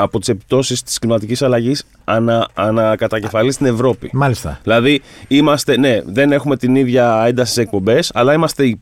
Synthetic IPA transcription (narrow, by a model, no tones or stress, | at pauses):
ɐpo̞t̪ise̞pi̥t̪o̞sist̪i̥sklimɐt̪icisɐlɐʝis | ɐnɐːnɐkɐt̪ɐce̞fɐlist̪ine̞vɾo̞pimɐlist̪ɐ̰ðilɐðiimɐst̪e̞ne̞ðe̞ne̞xume̞t̪iniðʝɐe̞nd̪ɐsisek̚po̞mbe̞sɐ̰lɐimɐst̪e̞i